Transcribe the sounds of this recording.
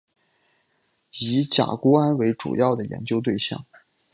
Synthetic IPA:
i˧˥t͡ɕja̰˨˩ku˥a˥nwe˧˥ɪʈ͡ʂṵ˨˩jɑ˥˩ʊd̪ə˩jɛ̰˧˥nt͡ɕjo˥ʊt̪we˥˧ɪɕjɑ̰˥˩ŋ

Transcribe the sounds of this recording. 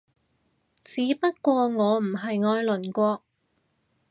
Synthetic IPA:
t͡siː˨˥˦pɐ˥t̚kʷɔː˧ŋɔː˨˧m̩˨˩ɦɐ˨jŋɔː˧jlɵ˨˩nkʷɔː˧k̚

